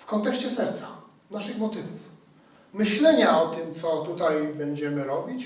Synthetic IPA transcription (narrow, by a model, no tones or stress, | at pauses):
fkɔnt̪ɛkɕt͡ɕɛsɛɾt̪sa | naʂɘxmɔt̪ɘvuf | mɘɕlɛɲaɔt̪ɘmt̪sɔt̪ut̪ajbɛɲd͡ʑɛmɘɾɔbʲit͡ɕ